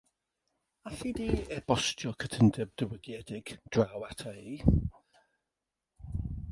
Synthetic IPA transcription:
aɬidiːɛb̥ɔstjɔkʰətʰəndəb̚dəwəɡjɛdɪɡ̥d̥rawatʰai

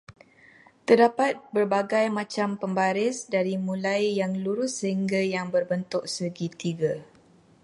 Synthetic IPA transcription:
t̪ərdapat̪̚bərbaɡajmãt͡ʃampəmbaɾɪsdaɾimũlajːaŋluɾʊsːəɦiŋɡajaŋbərbənt̪ʊk̚səɡit̪iɡa

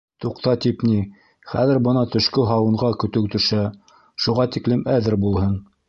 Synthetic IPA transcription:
t̪uqt̪ɑt̪ipni | χæ̰ðɘɾbɤnɑt̪ɵ̆ʃkɵɦɑwɤ̆ɴɢɑkɵ̆t̪ɵ̆wt̪ɵ̆ʃæ | ʃuʁɑt̪iklɘmæðɘɾbulˠɦɤn

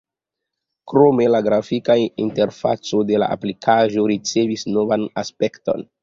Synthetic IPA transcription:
kɾo̞me̞laɡɾafikaiinte̞ɾfa̰t͡so̞de̞la̰ʔa̰plikʰaʒo̞ɾit͡se̞visno̞vanaspe̞kto̞̰n

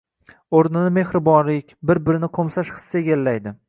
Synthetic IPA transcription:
oɾnɪnɪme̞hɾɪbɒnlɪkʲbɪɾbɪɾɪnɪqʰomsaʃχɨ̥sːaeɡʲalːajd̪ɪ

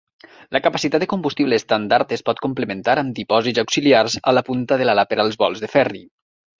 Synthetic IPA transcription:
lʔəkapasit̪at̪̚d̪ekumbust̪iβleːst̪and̪aɾt̪espɔt̪̚kumplemẽnt̪aɾamd̪ipɔzitzawksiliarza̰lapunt̪aðəlalapeɾalˠzβɔlˠzðefɛri

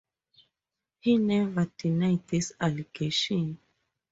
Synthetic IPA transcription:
hinɛvad̥inaɪt̪̚disaliɡeʃɔ̃n

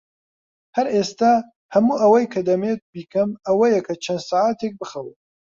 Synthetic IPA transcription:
hɐɾʔest̪aː | hɐmuːʔɐwɐjkʰɐd̪ɐmeːt̪̚biːkɐmɐwɐjɐkʰɐt͡ʃʰɐnd̪saːʕat̪ek̚bɨxɐwet

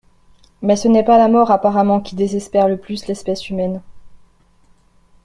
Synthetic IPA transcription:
mɛsənɛpalamɔʁapaʁamɑ̃kʲid̪ezɛspɛʁləplyslɛspɛsymɛn

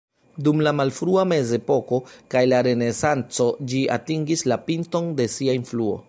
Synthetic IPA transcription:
dumlamalfɾuame̞ze̞po̞ko̞kajlaɾe̞ne̞sant͡so̞d͡ʒia̰tiŋɡislapinto̞nde̞siainfluo̞̰

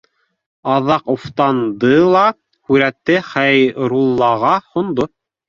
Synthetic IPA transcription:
ɑðɑquft̪ɑnd̪ɤlˠɑ | hʉɾæt̪ːɘχæjɾulˠːɑʁɑhŏnd̪o

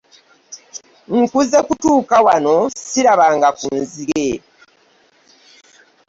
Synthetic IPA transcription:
ŋ̩kuze̞kutuːkawano̞siɾaβaːŋɡakuːnziɾe

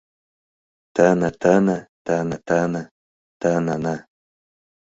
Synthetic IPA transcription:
t̪anat̪anat̪anat̪ana | t̪anana

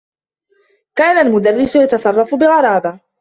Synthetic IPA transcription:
kaːnalmʊd̪arːɪsʊjat̪ɑsˤɑrˤːɑfbɪɣɑɾˤɑːb̪a

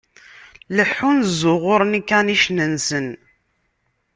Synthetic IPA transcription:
ləħːunzʊʁʊɾnikːæniʃnənsən

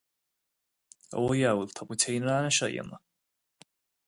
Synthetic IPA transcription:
a̰wojawltʰakʷutʰejnraːnaʃaja̰ma

